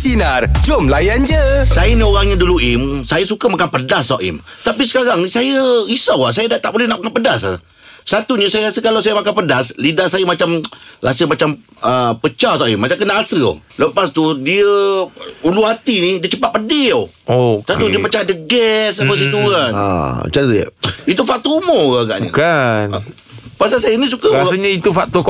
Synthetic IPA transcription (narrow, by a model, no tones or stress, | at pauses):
sinard͡ʒomlajand͡ʒəsajənioɾaŋɲaduluimsajasukamakanpədasːaʔḭm | t̪apisə̥kaɾaŋnisajəisawahs̬ajədaʔt̪aʔbolɛhnaʔmakanpədasa̰ | sat̪uɲəsajəɣasəkalawsajamakanpədaslidasajəmat͡ʃamɾa̰səmat͡ʃam | əpət͡ʃat̪aʔimat͡ʃamkənaʔasəo̰ləpast̪udiə | uluhat̪inidiət͡ʃəpat̪̚pədɪo | osat̪udiəpət͡ʃadəɡɛsabəs̬ət̪ukan̰t͡ʃansjə̰it̪ufak̚t̪omɔkaɡa̰ʔɲə̰kan | pasasajənis̬ukaɲəit̪ufak̚t̪o